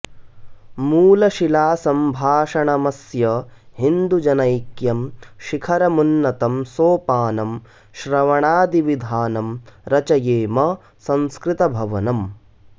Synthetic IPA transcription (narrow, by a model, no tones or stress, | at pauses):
muːlɐʃilaːsɐmbʱaːʂɐɳɐmɐsjɐɦind̪ud͡ʒɐnɐjkjɐmʃikʰɐɾɐmunːɐt̪ɐmsoːpaːnɐm | ʃɾɐʋɐɳaːd̪iʋid̪ʱaːnɐmɾɐt͡ʃɐjeːmɐ | sɐ̃nskɾit̪ɐbʱɐʋɐnɐm